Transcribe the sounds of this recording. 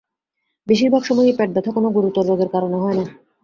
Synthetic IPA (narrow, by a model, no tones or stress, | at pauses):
beʃiɾbʱaɡʃɔmoipɛʈ̚bɛt̪ʰakonoɡuɾut̪ːoɾːoɡeɾkaɾoneɦɔena